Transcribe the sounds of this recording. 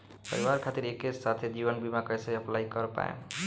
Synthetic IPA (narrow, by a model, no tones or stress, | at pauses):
pə̰ɾiwaɾkʰat̪iɾeket͡ʃsat̪ʰed͡ʒibənbimakəjsəjəplaikəɾpa̰ḛ